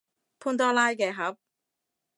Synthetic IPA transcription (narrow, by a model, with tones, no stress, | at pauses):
pʰu˥nt̪ɔː˥laː˥jkɛː˧ɦɐ˨˥p̚